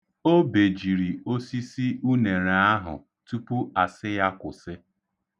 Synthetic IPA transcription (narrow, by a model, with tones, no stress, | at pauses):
o˦be˨d͡ʒi˨ɾi˨o˦si˦si˦ʔu˦ne˨ɾa˨a˦ɦʊ̰˨ | tu˦pu˦a˨sɪ˦ja˦kʊ˨sɪ˦